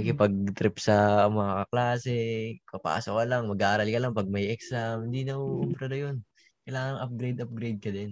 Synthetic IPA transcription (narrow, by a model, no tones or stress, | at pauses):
kɪpɐɡ̚t̪ɾɪpsɐmɐŋakɐklaːsɛpɐpa̰ːsokɐlɐŋmɐɡaʔaːɾɐlkɐlɐŋpɐɡ̚mɐiʔɛksamhɪnd̪inɐʔuʔʊbɾɐnɐjon | kɐjlaːŋɐŋʔɐp̚ɡɾejd̪ɐp̚ɡɾejd̪̚kɐd̪ɛn